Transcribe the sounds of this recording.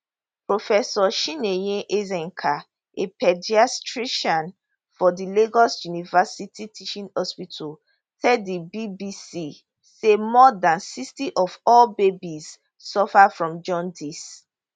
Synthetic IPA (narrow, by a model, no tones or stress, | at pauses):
pɹofɛsɔʃĩnejẽʔezɛ̃ŋkʰa | ʔepɛdiastɹiʃɔ̃n | fɔdileɡɔsjunivasitʰitʰiʃĩnhɔspitʰul | tɛibibisi | semɔdãnsistiʔɔvɔlbebiz | sɔfafɹɔ̃md͡ʒɔ̃ndis